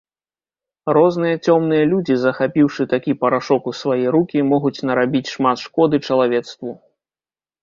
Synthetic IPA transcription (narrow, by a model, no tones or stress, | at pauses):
rɔznɨjɐt͡sʲɔmnɨjɐlʲud͡zʲizɐxapʲiwʂɨt̪akʲipɐɾaʂɔkusvajɛjɾukʲimɔɣut͡sʲnɐɾabʲit͡sʲʂmat̪ʂkɔd̪ɨt͡ʂɐlˠavʲɛt̪st̪vu